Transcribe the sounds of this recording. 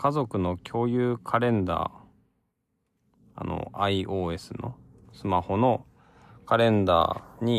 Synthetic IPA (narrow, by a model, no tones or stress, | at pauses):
kazo̞kɯ̟no̞kʲʰo̞ːjɯːkʰaɾẽ̞nd̪a̰ː | a̰no̰aiʔo̞ːe̞sɨno̞̰ | sɨmaho̞no̞ | kaɾẽ̞nd̪a̰ːɲ̟i